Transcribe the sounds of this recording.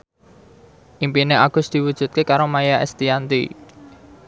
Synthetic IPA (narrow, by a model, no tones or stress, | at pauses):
ʔimpineʔaɡ̥ʊ̤sd̪̥i̤wud̥ʒ̥ṳt̪̚kekaɾomajaʔɛ̰st̪iant̪ḭ